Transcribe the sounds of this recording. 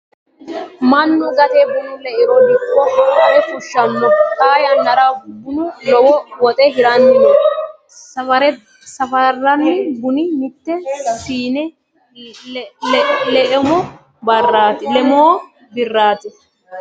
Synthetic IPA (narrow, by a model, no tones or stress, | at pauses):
mɐnːʊɡɐt̪ebʊnʊlɛʔɪɾɔnːɪkːɔʔɐwɛt̪ʊʃːɐmːɐkʼaːjɐnːɐɾabʊnʊlɔwɔwɔt̪ʼɛɦɪɾɐnːɪmɔ | sɐfɐɾɛ | sɐfɐrːɐnːɪbʊnɪmɪt̪ːɛfiːnɛ | lɛʔɛmɔ | bɐrːaːt̪ɪlɛmoː | bɪrːaːt̪ɪ